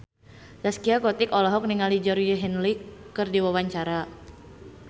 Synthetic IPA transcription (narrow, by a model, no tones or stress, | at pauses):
daskiakɔt̪ɪkɔlɔɦɔk̚niŋalid͡ʒɔɾəɦɛnlikːɨrdiwawaɲt͡ʃaɾa